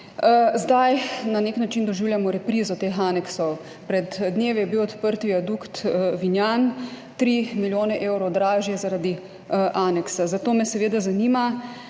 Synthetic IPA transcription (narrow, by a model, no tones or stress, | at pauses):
zd̪ajnaneknat͡ʃind̪ɔʒiːwljamɔɾɛpɾiːzɔt̪eːxaːnɛksɔw | pɾɛd̪dːneːʋɛjɛbiwɔt̪pəɾt̪ʋiad̪ukt̪ʋinjan | t̪ɾiːmiljoːnɛʔeːwɾɔd̪ɾaːʒjɛzaɾad̪i | ʔaːnɛksazat̪oːmɛsɛʋeːd̪azaniːma